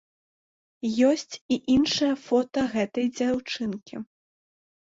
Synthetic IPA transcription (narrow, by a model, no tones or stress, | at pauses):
jɔsʲt͡sʲiʔinʂɐjɐfɔt̪ɐɣɛt̪ɐjd͡zʲawt͡ʂɨnkʲi